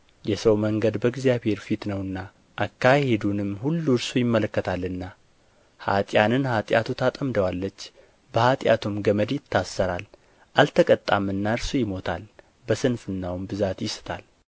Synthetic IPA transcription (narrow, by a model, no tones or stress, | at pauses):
jɛsəwməŋɡəd̪bəɡzijaβhe̞ɾfit̪nəwɨnːa | ʔakʰːahe̞d̪unɨmːhulːuɾsujɪmːələkːət̪ʰalːɨnːa | ha̰t̪ʼjanɨnhat̪ʼja̰t̪ʰut̪ʰat̪ʼəmd̪əwalːət͡ʃː | bəhat̪ʼja̰t̪ʰumɡəməd̪jɪt̪ʰːasːəɾal | ʔalt̪ʰəkʼət̪ʼːamɨnːaɨɾsujɪmo̞t̪ʰa̰l | bəsɨnfɨnːawmbɨzat̪jɪsɨ̥t̪ʰa̰l